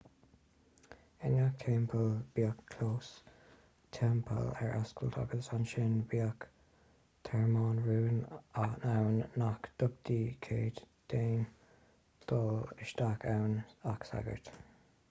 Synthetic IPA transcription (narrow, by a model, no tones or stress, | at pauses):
ɪnak̚t̪ʰɛmpʰəlb̥iːakʰːloːs | t̪ʰɛmpʰə̰lɛ̰ɹʔaskəlt̪ʰa̰ɡəsanʃɪnbiːak | t̪ʰɛɹmɑːnɹuːnanawnːakd̪̥ʊb̚d̪iːkʰeːd̪d̪̥eːn | d̪̥oːɪʃd̪akʰawnaksa̰ɡə̰ɹt̪